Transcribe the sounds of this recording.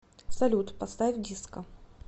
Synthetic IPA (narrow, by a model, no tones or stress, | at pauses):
sɐlʲut̪pɐst̪avʲdʲiskə